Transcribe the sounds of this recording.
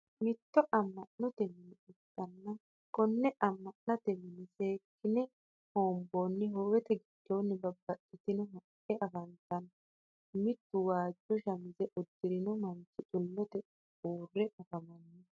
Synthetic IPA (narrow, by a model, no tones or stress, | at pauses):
mɪt̪ːɔʔɐmːɐʔnːɔt̪ɛmːɪnɪɪkʼːɐnːɐ | kɔnːɛʔɐmːɐnːɐt̪ɛmːɪnɪseːkːɪnɛ | hoːmbonːɪɦowɛt̪ɛɡɪd̪̥ːoːnːɪbɐbːɐtʼːɪt̪ɪnɔɦɐ | ɛʔɐfɐnt̪ːɐn | mɪt̪ːʊwaːd͡ʒːɔʃɐmɪzɛʔɔd̪ːɪɾɪnɔmɐnt͡ʃːɪt͡ʃʼʊlːɔt̪ɛ | uːrːɛʔɐfɐmɐnːɛ